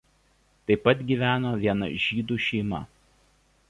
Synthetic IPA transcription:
t̪ɐɪpːɐt̪ɡʲiːˑʋʲæːnoːʋʲiɛnɐ̰ʒʲiːd̪uːʃʲɛɪmɐ̰

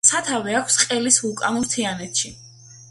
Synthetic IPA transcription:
sat̪ʰavɛakʷʰsqʼɛlisvulˠkʼanuɾt̪ʰianɛt̪ʰʃi

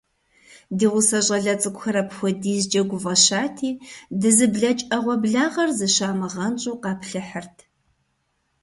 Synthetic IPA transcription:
diːʁʷʊsɐɕʼɐɮɐt͡sʼɨkʷʼxɐɾɐpxʷɔdiːzd͡ʒɐɡʷʊvɐʃaːtʰiːdɨzɨbɮɐt͡ʃʼɐʁʷɔbɮaːʁɐrzɨʃaːmɨʁɐnt͡ʃʼuːqɑːpɬɨħərtʰ

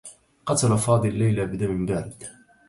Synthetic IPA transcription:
qɑt̪alafɑːd̪ˤɨllːajlabd̪amɪmbaɾɪd̪̥

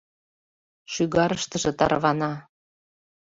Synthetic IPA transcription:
ʃyɣɑɾəʃt̪əʒɤ̆t̪ɑrβɑnɑ

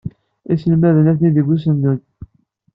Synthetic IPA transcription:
isəlmæðənæθniðəɡus̬ənd̪un

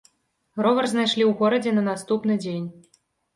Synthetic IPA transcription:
rɔvɛrznajʂlʲiwɣɔɾɐd͡zʲɛnɐnast̪upnɨd͡zʲenʲ

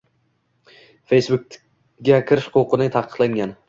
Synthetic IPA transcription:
fejsbʊk̚ | ɡʲakʲʰɪɾɪʃqʰoqɨnɪt̪ʰaqʰɨ̥qlˠaŋɡʲan

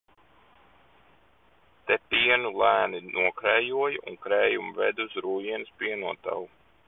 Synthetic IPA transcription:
t̪epiɛnulˠæːninʔuɔkɾɛjuɔjṵŋkɾɛːjumvɛ̰d̪usɾuːjiɛnɨspiɛnuɔt̪a̰wu

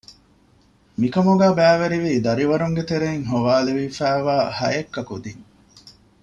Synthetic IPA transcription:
mikɐmuɡæːbæːʋeɾiʋiːd̪ɐɾiʋɐɾuŋɡet̪eɾeiŋɦoʋaːleʋifæːʋaːhɐ̰jekːɐkud̪iŋ

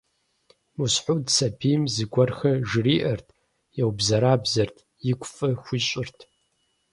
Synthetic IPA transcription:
musħʷʊdsʰɐbʰimzɨɡʷɐrxɐʒɨriːʔɐrtʰ | jɛwbzɐɾaːbzɐrtʰ | jɪkʷʼfʼɨxʷiːɕʼɪrtʰ

